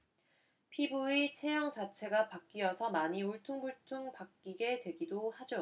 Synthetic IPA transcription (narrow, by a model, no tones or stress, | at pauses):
pʰibuit͡ɕʰe̞jʌŋt͡ɕat͡ɕʰe̞ɡapak͈iʌsʰʌmaɲiuɭtʰuŋbuɭtʰuŋpak̚k͈iɡe̞twe̞ɡidohad͡ʑo